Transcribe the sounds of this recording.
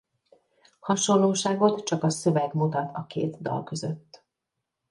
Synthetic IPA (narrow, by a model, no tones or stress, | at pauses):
hɒʃo̞lːoːʃaːɡo̞t̪t͡ʃɒkɒsø̞vɛɡmut̪ɒt̪ʰɒkḛːt̪d̪ɒ̰lkø̞zø̞t̪ː